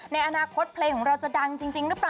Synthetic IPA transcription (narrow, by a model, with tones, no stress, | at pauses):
na˧jʔa˧naː˧kʰo˦˥t̪̚pʰleː˧ŋʰɔ˩˦ŋɾa˧wt͡ɕa˨˩da˧ŋt͡ɕi˧ŋt͡ɕi˧ŋɾɯ˦˥pɾaː˨